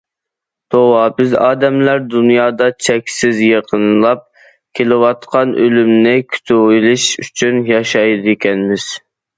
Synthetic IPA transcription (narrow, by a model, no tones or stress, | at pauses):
t̪ʰowɑbɪzɑːd̪ɛmlæɾd̪unjɑːd̪ɑt͡ʃʰɛkʲsɪzjeqʰənlˠɑp̚ | kʲʰelɪwɑt̪qʰɑnʔølymnɪkʲʰy̥t̪ʰuilˠɪʃyt͡ʃʰynjɑʃɑjd̪ekʲɛnmɪz̥